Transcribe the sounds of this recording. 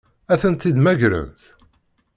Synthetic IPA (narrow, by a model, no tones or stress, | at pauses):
æθənt̪ːid̪mæʝɾə̰nθ